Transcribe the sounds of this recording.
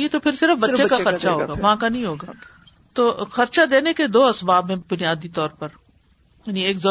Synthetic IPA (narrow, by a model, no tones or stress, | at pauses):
it̪opʰɪɾsɪɾəfbɐtːʃekaxɐɾt͡ʃaɦoːɡaːʋɐɦãkanɐɦĩɦoːɡaː | t̪oːxɐɾt͡ʃad̪eːneked̪oːɐsbaːbɦẽbʊnijaːd̪it̪ɔːɾpɐɾ | jaːnĩeːkzɔ